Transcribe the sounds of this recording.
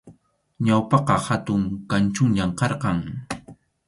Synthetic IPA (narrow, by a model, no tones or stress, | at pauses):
ɲawpɑqɑhat̪ʊŋkant͡ʃʊŋʎamqɑɾqɑŋ